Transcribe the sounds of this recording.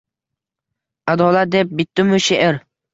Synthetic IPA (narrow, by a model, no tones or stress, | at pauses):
ad̪ɒːlˠat̪̚d̪ep̚bɪt̪ːɪmʊʃeʔɪɾ